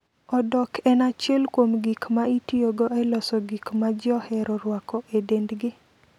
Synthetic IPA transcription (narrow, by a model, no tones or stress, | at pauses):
ɔdɔkʰɛnat͡ʃjɛlkwomɡikmaitioɡɔɛlɔsɔɡikmad͡ʒɪɔhɛɾɔɾwakɔʔedendɡɪ